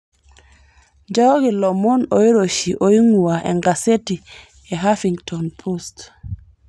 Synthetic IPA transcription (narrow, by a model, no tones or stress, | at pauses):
d͡ʒɔɡilɔmɔnojiɾoʃiʔojiŋuwaʔɛ̰ŋɡaseti | ɛɦafiŋtʰɔnpʰost